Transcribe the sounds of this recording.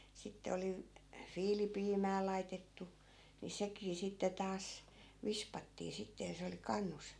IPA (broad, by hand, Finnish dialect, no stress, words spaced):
sitːe oli ʋ fiːlipiːmæː lɑitetːu ni sekiː sitːe tɑːs ʋispɑtːiː sitːe jɑ se oli kɑnːus